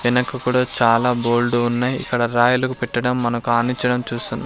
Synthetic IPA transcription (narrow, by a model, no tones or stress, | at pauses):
ʋinɐkɐkuɽɐːt͡ʃaːlaːbo̞ːlɖuːnːaːjḭkːɐɽɐɾaːjulɐkupɛʈːɐɽɐmːɐnɐkuaːniɲt͡ʃːɐɽɐmt͡ʃuːst̪unːɐ